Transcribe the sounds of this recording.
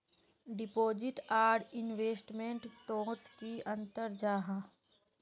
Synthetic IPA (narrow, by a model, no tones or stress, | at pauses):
ɖɪpoːd͡ʒɪʈaːɖɪnweːsʈmẽɳʈt̪õːt̪kiɐ̃nt̪əɾd͡ʒaːɦã